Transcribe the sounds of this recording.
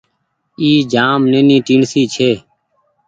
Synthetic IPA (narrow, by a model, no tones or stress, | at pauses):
iːd͡ʒaːmneːnĩːʈiːɳsiːt͡ʃʰeː